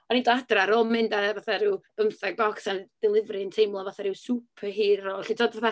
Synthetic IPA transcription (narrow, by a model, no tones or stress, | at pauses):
ɔnidɔad̥raɾɔmɪndavaθaɾɪwb̥əmθaɡɔksand̥ɪlˠɪvrɨəntʰejmlˠavaθaɾɪwsupʰəɦiːroːlˠɬitʰoːdvaθa